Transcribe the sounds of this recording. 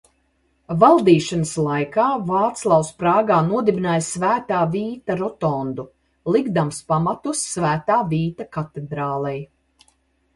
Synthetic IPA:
valˠd̪iːʃanəslˠajkaːvaːt̪slˠawspɾaːɡaːnuɔd̪ibinaːjsvæːt̪aːviːt̪aɾɔt̪ɔnd̪u | lˠiɡd̪amspamat̪usːvæːt̪aːviːt̪akat̪ed̪ɾaːlˠɛj

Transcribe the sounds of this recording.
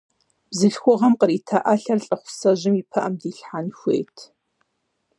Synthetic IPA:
b̥zɨɬxʷʊʁɐmqəɾiːtʰaʔaɬɐrɬʼɐχʷʊ̥sɐʑɪmiːpʰɐʔɐmdiːɬħanxʷḛːjtʰ

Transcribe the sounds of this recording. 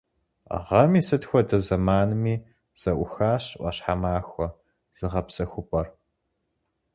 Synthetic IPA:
ʁɐmiːsɨtxʷɔdɐzɐmaːnɨmiː | z̥ɐʔʷʊxaːɕʔʷɐ̰ɕħamaːxʷɔ | z̥ɨʁɐpsɐxʷʊpʼɐr

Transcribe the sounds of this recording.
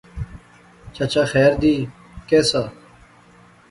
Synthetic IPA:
t͡ɕʰɐt͡ɕaxɛːɾd̪iː | keːsa

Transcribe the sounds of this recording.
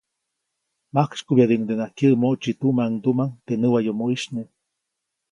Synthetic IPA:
makt͡ʃkubjad̪iʔŋd̪enakjəʔmoʔt͡ʃit̪umaŋd̪umaŋt̪enɨwajomoiʃne

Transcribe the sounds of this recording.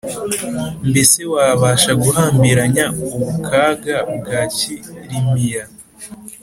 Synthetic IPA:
mbese̞waːβaːʃaɡuhaːmbiɾaɲauβukʰaːɡabɡaːciɾimija

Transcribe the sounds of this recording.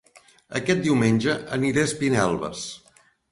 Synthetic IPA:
ə̰kɛt̪̚d̪iwmenʲʒəʔəniɾespinɛlˠβə̰s

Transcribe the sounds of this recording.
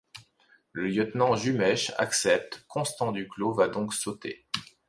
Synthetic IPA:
ləljət̪nɑ̃ʒymɛʃa̰ksɛp̚t̪kɔ̃st̪ɑ̃d̪yklovad̪ɔ̃ksot̪ḛ

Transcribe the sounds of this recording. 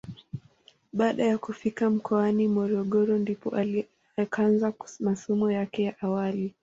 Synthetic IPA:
ɓaːɗajakufikam̩kʰɔanimɔɾɔɠɔɾɔndipɔ̰ʔa | kʰanzamasɔmɔjakɛjaʔawali

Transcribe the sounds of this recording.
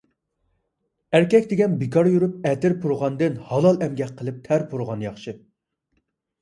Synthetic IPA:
æɾkʲɛkʲd̪ɪɡʲɛnbikʰɑɾjuɾup̚ɛt̪ɪɾpʰuɾʁɑnd̪ɨnhɑlˠɑlˠɛmɡʲɛk̚ʲqʰːəlˠɨp̚t̪ʰæɾpʰuɾʁɑnjɑχʃɨ

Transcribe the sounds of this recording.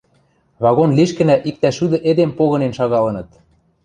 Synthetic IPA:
βɑɣonliʃkɘ̆næʔik̚t̪æʃud̪ɤ̆ʔed̪empoɣɤ̆nenʃɑɣɑlɤ̆nɤ̆t̪

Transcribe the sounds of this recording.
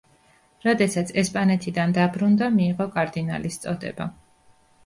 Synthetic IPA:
ɾɔd̪ɛsat̪sʰɛspʼanɛt̪ʰid̪and̪abɾund̪amiːʁɔkʼaɾd̪ina̰list̪sʼɔd̪ɛ̰ba

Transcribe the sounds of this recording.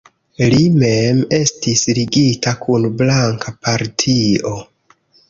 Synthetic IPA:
limeme̞stisliɡitakʰunblaŋkapaɾtʰio̞

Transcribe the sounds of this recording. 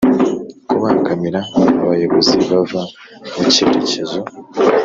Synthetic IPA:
kuβaːŋɡamiɾaβajo̞βo̞ziβava | muceɾecezo

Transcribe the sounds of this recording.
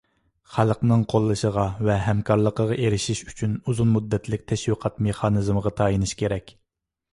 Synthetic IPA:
χælˠəqnɨŋqʰolˠːɨʃəʁɑvɛɦɛmkʰɑɾlˠəqəʁɑʔeɾɪʃiʃy̥t͡ʃʰynuzunmud̪ːɛt̪lɪk̚ʲt̪ʰɛʃwiqʰɑt̪meχɑːnɨzməʁɑt̪ʰɑːjinɨʃkʲʰeɾɛkʲ

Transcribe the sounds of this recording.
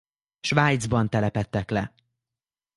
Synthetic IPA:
ʃvaːjd̪zbɒnt̪ɛlɛpɛt̪ːɛklɛ

